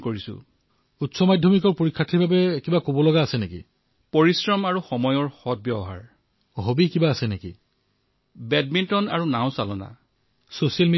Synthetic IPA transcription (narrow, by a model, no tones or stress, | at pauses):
koɹisʊ̰̃ | utsɔmadʱjɔmikɔɹpoɹikʰːatʰibʱabɛkibakobɔlɔɡaːsɛnekḭ | poɹisɹɔmaɹuxɔmɔjɔɹxɔt̚bjɔbɔɦa̰ɹ | ɦobikibaːsɛneki | bɛd̚mintɔna̰ɹunaw̃salɔna̰ | sosialme